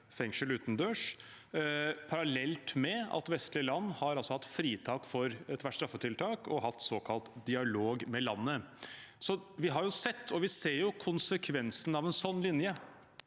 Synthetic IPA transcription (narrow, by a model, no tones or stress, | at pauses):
fɛŋʂəlʉːt̪n̩d̪øːʂ | pʰɑɾɑlɛlt̪mɛɑ̰t̪ʋɛst̪lɪəlɑnːhɑɾɑlsɔhɑt̪ːfɾiːt̪ʰɑːkfɔɾt̪ʰːʋæst̪ɾɑfːət̪ʰɪlt̪ʰɑːkʰɔɦɑt̪ːsoːkʰɑlt̪d̪ɪɑloːɡmɛlɑnːəsɔʋɪɦɑɾjʊsɛt̪ːɔʋɪseːɾjʊkʰʊnsəkʰʋɛnsn̩ɑʋɛnsɔnːlɪnjə